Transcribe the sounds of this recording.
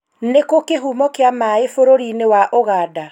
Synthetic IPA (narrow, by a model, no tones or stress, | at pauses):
nekokeɦumɔkeamaefoɾoɾinewaʔoɣaːda